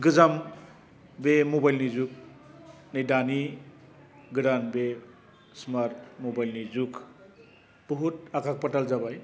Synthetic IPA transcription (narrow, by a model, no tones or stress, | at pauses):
ɡɯzam | bemobajlnizuk̚ | nejdani | ɡɯɾanbe | smaɾtmobajlnizuk | b̥ɔɦutakʰak̚patalzabaj